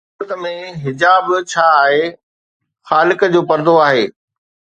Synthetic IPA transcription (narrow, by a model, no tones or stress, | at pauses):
t̪əmẽɦɪd͡ʑaːbt͡ɕʰaːɦeː | xaːlɪkəd͡ʑoːpɐɾd̪oaːɦeː